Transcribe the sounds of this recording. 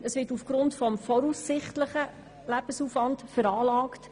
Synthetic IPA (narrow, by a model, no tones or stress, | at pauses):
əsʋɪtufɡ̥ɾʊntfɔmfɔɾusːɪχtləχə | læb̥əsuːfvɑntfəɾɑːlɑːkt